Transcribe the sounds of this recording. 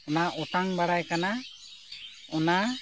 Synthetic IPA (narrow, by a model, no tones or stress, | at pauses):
ɔnaʔɔtaŋbaɽajkana | ɔna